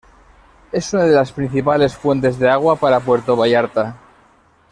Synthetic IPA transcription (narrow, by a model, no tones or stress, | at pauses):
e̞sunaðelaspɾin̟θipale̞sfwe̞nt̪e̞zðeaɣ̞wapaɾap̬weɾt̪oβajaɾt̪a